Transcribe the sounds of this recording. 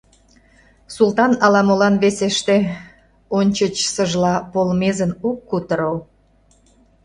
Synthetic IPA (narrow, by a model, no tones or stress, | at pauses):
sult̪ɑnɑlɑmolɑnβeseʃt̪e | onʲt͡ɕət͡ɕsəʒlɑpolmezənukːut̪əɾol